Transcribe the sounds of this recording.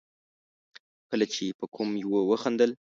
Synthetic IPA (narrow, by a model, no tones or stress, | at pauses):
kəlat͡ʃepəkʰumjwəwəxand̪əl